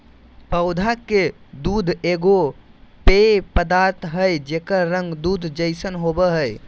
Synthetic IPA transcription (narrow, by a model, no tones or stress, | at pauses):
pəʊd̪ʱaked̪ud̪ʱeɡopepəd̪aɾt̪ʰɦəjd͡ʒekəɾə̃ŋɡd̪ud̪ʱd͡ʒəjsənɦobəɦəj